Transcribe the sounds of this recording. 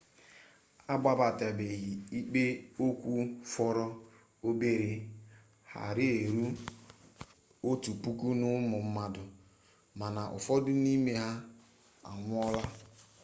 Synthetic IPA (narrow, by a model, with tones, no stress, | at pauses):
a˦ɡ͡ba˦ba˨tɛ˨be˨ɦi˨i˦k͡pe˦o˦kʷu˦fɔ˦ɾɔ˦ | o˦be˦ɾe˨ | ha̰˨ɾɪ˦e˨ɾu˦ | o˦tu˨pu˦ku˦nʊ˦mʊ˨m̩˦ma˦dʊ˨ | ma˨na˨ʔʊ̰˨fɔ˦dʊ˦ni˦me˦ɦa˦ | a̰˨ŋʷ˦ɔ˦la˦